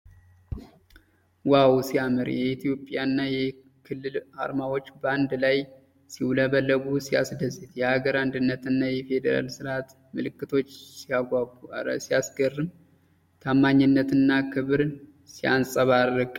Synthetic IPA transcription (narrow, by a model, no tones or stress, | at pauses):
wawsijamɨɾjɛit̪ʰijo̞pʼːjanːajɛ | kʰɨlːɨlʔa̰ɾmawo̞t͡ʃːband̪laj | siwləβəlːəɡusiasd̪əzɨt̪jɛhaɡəɾand̪ɨnːət̪ɨnːajɛfe̞d̪əɾa̰lsɨɾat̪ | mɨlɨkːɨt̪ʰo̞t͡ʃːsiaɡasijasɡərːɨm | t̪ʰamːaɲːɨnːət̪ɨnːakʰɨβɨɾ | sijansʼəβaəɡ